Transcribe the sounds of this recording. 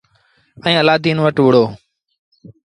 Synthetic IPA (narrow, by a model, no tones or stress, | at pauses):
ə̃ĩːəlaːd̪iːnʋəʈʋʊɽ̤oː